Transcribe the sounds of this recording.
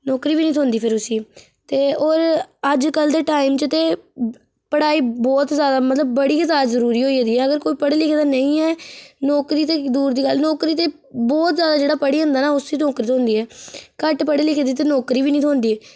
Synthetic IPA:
nɔːkɾiːbiːnĩːt̪ʰoːnd̪iːpʰɪɾʊsiː | t̪eːoːɾəd͡ʒkəld̪eːʈaːimt͡ʃət̪eː | pəɽaːiːbɔːt̪zjaːd̪aːmət̪ləbːəɽiːkɪzaːd͡ʒzəɾuːɾiːɦoːiːɦeːd̪iːɛːəɡəɾkoːiːpəɽeːlɪkʰːd̪aːnəĩːɛːnɔːkɾiːt̪eːd̪uːɾd̪iːɡəlnɔːkɾiːt̪eː | bɔːt̪zjaːd̪aːd͡ʒeːɽaːpəɽiːɦʊ̃nd̪aːnaːʊsiːnɔːkɾiːt̪oːnd̪iːɛːkəʈpəɽeːlɪkʰed̪iːt̪eːnɔːkɾiːbiːnĩːt̪ʰoːnd̪iːɛː

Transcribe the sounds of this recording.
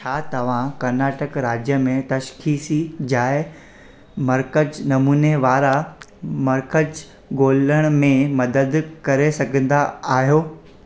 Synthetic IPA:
t͡ɕʰaːt̪ɐʋ̤ãkɐɾnaːʈəkɾaːd͡ʑjəmẽt̪ɐʃxiːsid͡ʑaːɪ | mɐɾkəd͡ʑnɐmuːneʋaːɾa | mɐɾkəd͡ʑ | ɡoːləɽ̃mẽmɐd̪əd̪kɐɾesɐɡʱə̃n̆d̪aaːɦijoː

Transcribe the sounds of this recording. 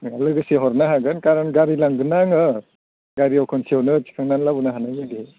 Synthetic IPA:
alɯɡɯseɦɔɾnaɦaɡɯnkaɾanɡaɾilaŋɡɯnaŋɯ | ɡaɾiɔwkʰɔnsiɔwnɯt͡ʃi̥kʰaŋnanlabunaɦanajaɡi

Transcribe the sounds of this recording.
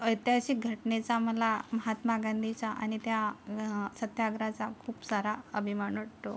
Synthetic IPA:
ət̪jaɕiːɡʱəʈnet͡saməlaməɦat̪maɡənd̪it͡saʔaɽ̃it̪ja | sət̪jaɡɾat͡sakʰuːpsaɾaəbʱimaɳəɽt̪o

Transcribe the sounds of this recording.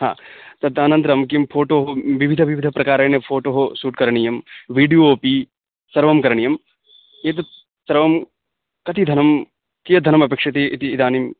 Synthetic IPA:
ɦã̰ːt̪ɐb̚t̪aːnɐ̃nt̪ɾɐmkimpʰoːʈoːɦoʋiʋʱid̪ʱɐʋiʋid̪ʱɐpɾɐkaːɾɐːnepʰoːʈoːɦosuːʈkɐɾɐɳijɐmʋiːɖijooːpi | sɐɾʋɐmkɐɾɐɳijɐm | eːt̪ɐ | sɐɾʋɐm | kɐt̪id̪ʱɐnɐm | kijɐd̪ʱɐnɐmɐpeːkʂɐt̪iʔit̪iːd̪aːnim

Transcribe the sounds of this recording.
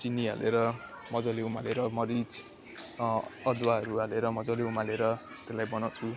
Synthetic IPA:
t͡sinːiɦa̰lʔeɾʌ | mʌd͡zʌliumaleɾʌmʌɾit͡s | ʌd̪waɦʌɾuɦaleɾʌmʌd͡zʌleumaleɾʌ | t̪elajbʌnawt͡sʰu

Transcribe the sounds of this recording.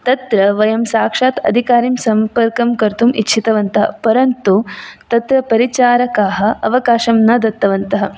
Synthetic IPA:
t̪ɐt̪ɾɐʋɐjɐmsaːkʂaːt̪ɐ̰d̪ʱikaːɾimsɐmpɐɾkɐmkɐɾt̪umḭtːt͡ʃʰit̪ɐʋɐnt̪ɐɦɐ̰pɐɾɐnt̪ut̪ɐt̪ɾɐpɐɾit͡ʃaːɾɐkaːɦɐ̆ɐʋɐkaːʃɐmnɐd̪ɐt̪ːɐʋɐnt̪ɐɦɐ̆

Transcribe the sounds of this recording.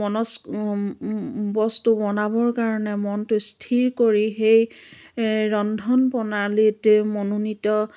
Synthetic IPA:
ɔnɔs | bɔstubɔnabɔɹkaɹɔnɛmɔntʊstʰiɹkoɹixej | ɹɔndʱɔnpɔnalitmɔnunitɔ

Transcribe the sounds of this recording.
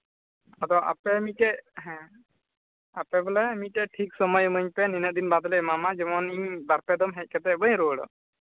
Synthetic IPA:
ad̪ɔʔa̰pɛmiʈɛʔɦɛ̃ | apɛbɔlɛmitɛʈʰiksɔmɔjməɲpɛninəʔ̚d̪inbad̪ɔlɛmamad͡ʒɛmɔniɲbaɾpɛd̪ɔmɦɛc̚ˀkɛt̪ɛbəjɾuəɽɔ̰

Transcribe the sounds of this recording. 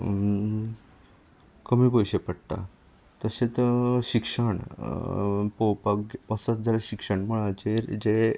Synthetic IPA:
kəmiːbəjɕepəɽʈ̪a̰ | t̪əɕet͡sɕikʂəɳ | powpaɡpəsətd͡zəɾaɕikʂəɳməɭ̃ãd͡ʑeɾd͡ʑe

